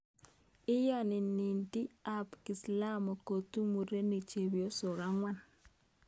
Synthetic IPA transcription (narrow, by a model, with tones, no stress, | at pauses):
ɪ˦jɔ˦nɪ˨ni˨nti˦a˦pki˨sla˦mo˨ko˨tu˦mu˨ɾe˦ni˨t͡ʃe˨βjo˦so˨ɾa˦ŋwa˦n